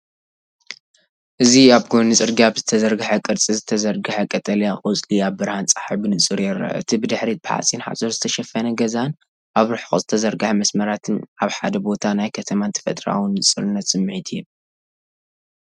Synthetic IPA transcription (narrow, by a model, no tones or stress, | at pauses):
ʔɨziaβɡonɨsʼɨɾɡiaβzɨt̪ʰɐzɐɾɡɨħɐkʼɨɾt͡sʼizɨt̪ʰɐzɐɾɡɨħɐkʼɐt̪ʼɐlijakʼɨt͡sʼliaβbɨɾhant͡sʼḁħibɨnɨt͡sʼɨɾjɛɾɐ̰ɨ̰t̪ʰibɨd̪ɨħɾit̪̚bħa̰t͡sʼinħa̰sʼoɾzɨt̪ʰɐʃɐfːɐnɐɡɐzan | ʔaβɾɨħxuz̥ɨt̪ʰɐzɐɾɡɨħɐmɐsmɐɾat̪ʰɨnʔaβħa̰d̪ɐbo̞t̪ʰanajkʰɐt̪ʰɐmant̪ʰɐ̥fɐ̰t̪ʼɾa̰wɨnːɨsʼɨɾɨnːɐt̪sʼɨmːʕit̪ʰɨju